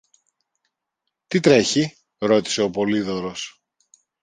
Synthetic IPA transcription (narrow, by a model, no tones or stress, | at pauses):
t̪it̪ɾe̞çi | ɾo̞t̪i̥se̞o̞po̞liðo̞ɾo̞s